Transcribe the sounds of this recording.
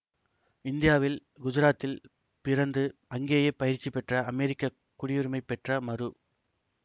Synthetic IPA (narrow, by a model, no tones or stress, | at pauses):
ɪnd̪ɪjaːʋɪlɡʊd͡ʒɪɾaːt̪ːɪl | pɪɾɐnd̪ɯɐŋɡeːjɐpːɐjɪɾt͡ʃːipɛʈrɐɐmɛɾɪkːɐ | kːʊɽɪjɯɾɯmɐɪpːɛʈrɐmɐɾɯ